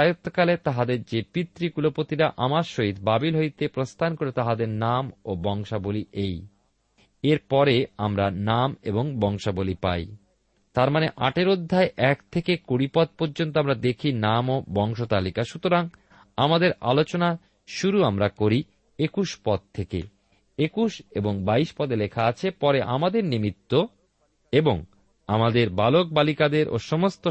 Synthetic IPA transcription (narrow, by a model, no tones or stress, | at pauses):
ajot̪ːokalet̪aɦad̪eɾd͡ʑepit̪ːɾikulopot̪iɾaʔamaɾʃoɦit̪babilɦoit̪epɾost̪ʰankoɾet̪aɦad̪eɾnamobɔŋʃaboliʔej | eɾpɔɾeamɾanameboŋbɔŋʃabolipa̰j | t̪aɾmaneʔa̰ʈeɾod̪ʱːaeʔɛkt̪ʰekekoɽipɔd̪̚poɾd͡ʑont̪oamɾad̪ekʰinamobɔŋʃot̪alikaʃut̪oɾaŋ | amad̪eɾa̰lot͡ɕona | ʃuɾuamɾakoɾi | ekuʃpɔd̪̚t̪ʰekḛ | ekuʃeboŋbaiʃpɔd̪elekʰaat͡ɕʰepɔɾeʔamad̪eɾnimit̪ːo | eboŋ | amad̪eɾbalok̚balikad̪eɾʔo̰ʃɔmost̪o